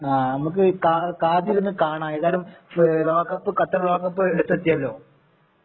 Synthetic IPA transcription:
aːnɐmuk̬ːɨkaːkaːd̪jiɾunːɨkaːɳaːeðaːlumlo̞ːkːɐpːɨkɐt̪ːɐrlo̞ːkːɐpːɨeɽut̪ːɐt̪ːijɐlːo̞ː

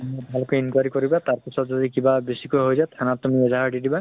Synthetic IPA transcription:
mɔjbʱalkeinkwaɹikɔɹibat̪aɹpisɔtzɔdikibabesikojɦojzatʰanattːumiɛzaɦadidiba

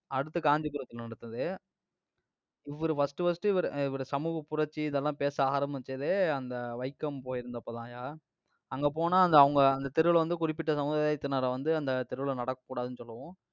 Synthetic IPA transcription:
ɐɽɯt̪ːɯkaːnd̪ipɯɾɐt̪ːɯlnɐɽɐt̪ːɯnðɯ | ɪʋːɐɾɯfɐsʈɯfɐsʈɯʋɐɾɯɪʋɐɾɯsɐmuːɣɐpʊɾɐt͡ʃːiɪðɛlːãːpeːsaːɣaːɾɐmbɐseːðeːɐnd̪ɐʋɐɪkːɐmpoːjɪɾɯnd̪ɐpːoːt̪ãːjaː | ɐŋɡeːp̬oːnaːɐnd̪ɐɐʋɐŋɡɐɐnd̪ɐt̪ɪɾɯʋɯɭʋɐnd̪ɯkʊɾɪpːɪʈːɐsɐmɯːðaːjaːɪt̪ːnaːɾɐʋɐnd̪ɯɐnd̪ɐt̪ɪɾɯʋɭnɐɽɐkːɐ̥kːuːɽaːðɯnːɯsɔlːɐʋõ

